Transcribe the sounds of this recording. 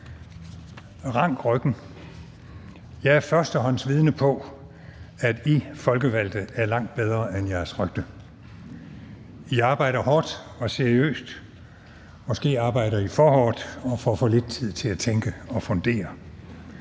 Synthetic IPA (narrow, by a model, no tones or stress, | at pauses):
ʁɑ̈ŋ̰ɡ̥ʁœɡ̥n̩ | jɑ̈ɪæɐfɶɐsd̥ɒɦɒ̽n̰n̩sʋið̞ˠnəpʰɒ̽ | æd̥ifɒ̽lɡ̥əʋæl̰d̥ð̩ˠæɐlɑ̈ŋ̰d̥̚b̥eð̞ˠʁɐʔenjɑɐsʁœɡ̥d̥ə | iɑ̈ːb̥ɑ̈ɪ̰ɾ̥ɐɦɒːd̥ɒ̽seɐiø̰ːsd̥ | mɒ̽sɡ̥e̝̰ːɑ̈ːb̥ɑ̈ɪ̰ɾ̥ɐifɒɦɒ̰ːd̥ɒ̽fɒːfɔ̽le̝d̥̚t͡sʰið̰ˠt͡sʰe̝læt͡sʰeŋɡ̥əɒ̽fɔ̽nd̥e̝̰ːɐ